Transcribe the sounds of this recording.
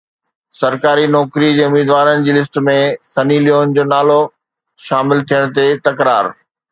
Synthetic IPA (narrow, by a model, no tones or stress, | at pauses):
sɐɾkaːɾinɔːkɾid͡ʑeːʊmiːd̪ʋaːɾənɪ̆d͡ʑiːlɪs̬ʈ̆mẽsɐnilijoːnd͡ʑoːnaːlo | ʃaːmɪlt̪ʰijəɽ̃t̪et̪ɐkɾaːɾ